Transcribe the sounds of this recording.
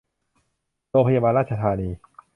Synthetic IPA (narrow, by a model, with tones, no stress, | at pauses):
ɾoː˧ŋpʰa˧jaː˧baː˧nɾaː˥˩t̪̚t͡ɕʰa˧t̪ʰaː˧niː˧